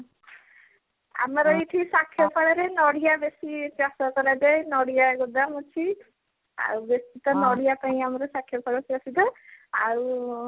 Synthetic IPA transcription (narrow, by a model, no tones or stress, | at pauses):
a̰mɔɾɔiʈʰisakʰːjɔpʰaɽɔɾenɔɽijabesipasɔkɔlad͡ʒajnɔɽijaɡɔd̪aɦũt͡ʃʰi | a̰ɾubesit̪ɔnɔɽijapaĩamɔɾɔsakʰːjɔpʰaɽɔpjasit̪ɔa̰ɾu